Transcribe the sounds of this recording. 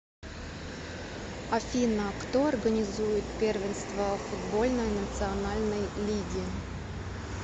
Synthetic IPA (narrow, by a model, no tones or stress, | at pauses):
afʲinəkt̪oɐrɡənʲɪzujɪt̪pʲervʲɪnst̪vəfud̪bo̞lʲnəjnət̪sɨɐnalʲnəjlʲiɡʲɪ